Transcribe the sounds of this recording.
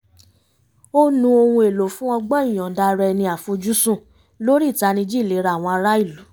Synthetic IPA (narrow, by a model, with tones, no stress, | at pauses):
o˦nũ˧o˧hũ˧e˨lo˨fũ˦ɔ̃˧ɡ͡bɔ˦i˦˨j̃ɔ̃˨da˧ɾɛ˧nĩ˧a˨fo˧d͡ʒu˦sũ˦˨ | lo˦ɾi˦˨ta˧nĩ˧d͡ʒi˦˨le˨˦ɾa˧˦˨w̃ɔ̃˧a˧ɾa˦i˦˨lu˨˦